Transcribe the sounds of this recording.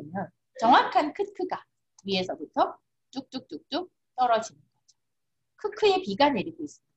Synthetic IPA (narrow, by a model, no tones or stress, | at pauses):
imjʌn | t͡ɕʌŋwakʰankʰɯtkʰɯɡa | ɥie̞sʰʌbutʰʌ | t͈uk̚t͈uk̚t͈uk̚t͈u | t͈ʌɾʌd͡ʑinɯnɡʌd͡ʑo̥ | kʰɯkʰɯepiɡane̞ɾiɡois͈ɯmida